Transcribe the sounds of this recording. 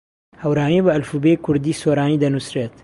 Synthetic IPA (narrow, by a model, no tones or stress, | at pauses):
hɐwɾaːnibəɐlfubekʰʊɾd̪iːsoːɾaːniːd̪ɐnusɾeːt̪